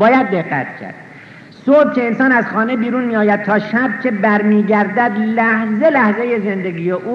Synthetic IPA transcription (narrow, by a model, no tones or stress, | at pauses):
bɒːjæd̪ːeɢːæ̰t̪ʰcʰæ̰ɾd̪̥ | sohb̚cʰe̞ːnsɒːnæzxɒːnebiːɾunmijɒːjæd̪̚t̪ʰɒːʃæb̚cʰe̞bæɾmiːɟæɾd̪æd̪læhze̞læhzeje̞zend̪eɡiːjeʔuː